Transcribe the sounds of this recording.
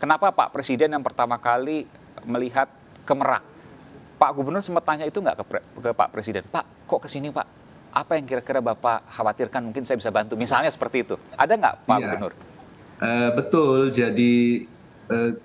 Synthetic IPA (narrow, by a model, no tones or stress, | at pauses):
kənapapa̰ʔpɾesidɛnjaŋpərt̪amakali | məliɦat̪̚ | kəməɾa̰k̚ | paʔɡubərnʊrsəmət̪ːaɲait̪uŋɡa̰ʔkəkəpa̰ʔpɾʔesidɛnpaʔ | kɔʔkəsinipa̰ʔ | ʔapajaŋkiɾakiɾabapahawat̪irkanmuŋkɪnsajabisabant̪umisalɲasə̥pərt̪iːt̪uʔa̰daŋɡa̰ʔpaʔɡubərnʊr | ʔəbət̪ʊld͡ʒadi | ə